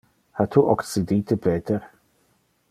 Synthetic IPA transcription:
hat̪ʰuʔɔksid̪iːt̪ʰəbɛːt̪ʰəɾ

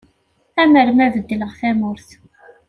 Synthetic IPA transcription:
æməɾmævəd̪ːləʁθæmʊɾθ

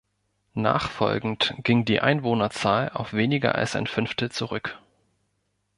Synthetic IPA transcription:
na̰ːχfɔ̰lɡŋ̩tɡ̥ɪŋdḭːʔa̰ɪnvoːnɐt͡saːla̰ʊfv̥eːnɪɡɐ̰ʔa̰lsaɪnfʏnftl̩t͡suʁʏk

